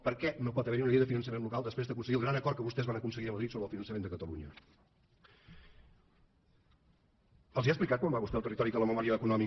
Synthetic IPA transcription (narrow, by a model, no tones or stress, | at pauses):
pəɾkɛnopɔt̪əβɛɾiuniðeəðəfinənsəmẽnlukalˠd̪əspɾezðəkunsəɣiəlˠɣɾanəkɔɾkəβust̪ɛzβanəkunsəɣiəməðɾit̪soβɾəlˠfinənsəmend̪əkət̪əlṵɲə̰ | əlˠziaəsplikat̪̚kwambaβust̪ɛlˠt̪ərit̪ɔɾikələməmɔɾiəːkunɔmi